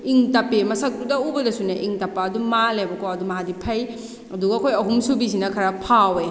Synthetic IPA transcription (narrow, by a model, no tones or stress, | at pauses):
iŋtɐpemɐsɐk̚tudɐubɐdɐsuneʔiŋtɐpːaɐdumalajbɐkawɐdumɐɦadipʰɐj | ɐduɡɐːkʰojɐɦumsubisinɐkʰɐɾapʰawe